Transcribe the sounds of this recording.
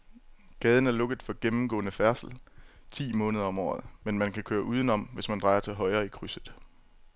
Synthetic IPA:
ɡ̥ɛːð̞ˠn̩æɐlɔ̽ɡ̥əð̩ˠfɒɡ̥emm̩ɡ̥ɔ̰̽ːnəfæɐsl̩t͡sʰḭːmɔ̽ːnəð̞ˠɐɒ̽mɒ̰ːðˠmenmænkʰækʰøːɐʔuːð̞ˠənɒ̽m̰ʋe̝smænd̥ʁɑ̈ɪɐt͡sʰe̝lɦɒ̽ɪʁɐːikʰʁysð̩ˠ

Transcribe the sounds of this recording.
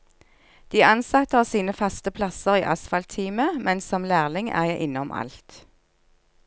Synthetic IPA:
d̪̥iːɑnsɑt̪əɑːʋsiːnəfɑst̪əpʰlɑsəʁiːʔɑsfɑlt̪ʰiːməmʔɛnsɔmlæːʁlɪŋæ̰ːjæɪʔɪnɔmʔɑ̰lt̪

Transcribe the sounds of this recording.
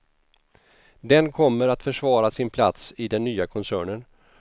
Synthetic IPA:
d̪ɛnkʰɔmːəɾat̪fœʂvɑːɾasɪnpʰla̰t̪sɪd̪ɛnːyːakʰɔnsæːɳən

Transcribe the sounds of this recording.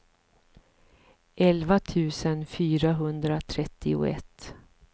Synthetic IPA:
ʔɛlvat̪ʰʉ̟ːsənfyːɾaɦɵnd̪ɾat̪ʰɾɛt̪ʰːɪʊ̰ɛ̰t̪ː

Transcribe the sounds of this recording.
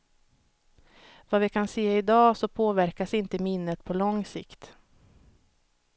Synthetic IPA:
vavɪkʰanseːɪd̪ɑːsɔpʰoːvæɾkasɪnt̪əmɪnːət̪pʰɔlɔŋsɪ̰kt̪

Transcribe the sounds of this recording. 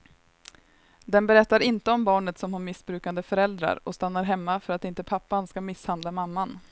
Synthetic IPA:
d̪ɛnbɛɾɛt̪ːaɾɪnt̪əɔmbɑːɳət̪sɔmhaɾmɪsbɾʉ̟ːkand̪əfœɾɛld̪ɾa̰ɾɔst̪anːaɾɦɛmːafœɾat̪ɪnt̪əpʰapːanskamɪshand̪lamamːan

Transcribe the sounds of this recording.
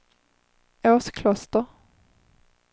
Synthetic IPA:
œːskʰlɑst̪əʁ

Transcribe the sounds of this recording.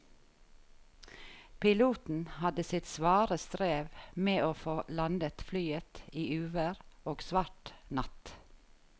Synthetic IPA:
pɪluːt̪n̩hɑd̪əsɪt̪sʋɑːɾəst̪ɾeːʋmeːʔoːfoːlɑnd̪ət̪flyːət̪iːʉːʋəɾoːɡsʋɑʈnɑt̪

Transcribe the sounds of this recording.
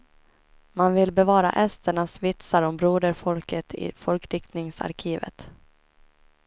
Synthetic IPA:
manvɪlbɛvɑːɾa̰ʔɛst̪əɳasvɪt̪saɾɔmbɾuːd̪əɾfɔlkət̪ʰɪ̰fɔlkɾɪkt̪nɪŋsa̰ɾkʰiːvə̰t̪

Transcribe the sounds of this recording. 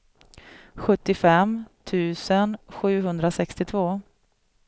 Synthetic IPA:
ɧɵt̪ːɪfɛmt̪ʰʉ̟ːsənɧʉ̟ːɦɵnd̪ɾasɛkst̪ɪt̪ʰvoː

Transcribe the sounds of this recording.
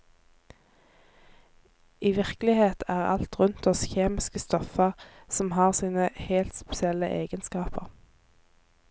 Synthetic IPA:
ʔiːʋɪʁklɪheːt̪ʰæːʁɑ̰lt̪ʁʉnt̪ɔsçeːmɪskəst̪ɔfəʁsɔmhɑːʁsiːnəhelt̪spɛsɪɛlə̰ʔeːɡənskɑːpə̰ʁ

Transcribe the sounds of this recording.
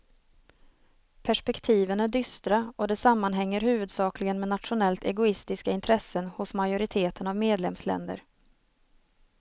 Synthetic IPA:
pʰæʂpɛkt̪ʰiːvənæɖʏst̪ɾaɔd̪ɛsamːanɦɛŋːəɾhʉ̟ːvɵd̪sɑːklɪɡənmɛnat̪ɧʊnɛlt̪ʰɛ̰ɡʊɪst̪ɪskaɪnt̪ʰɾɛsːənhʊsmajʊɾɪt̪ʰeːt̪ənavmeːd̪lɛmslɛ̰nd̪ə̰ɾ

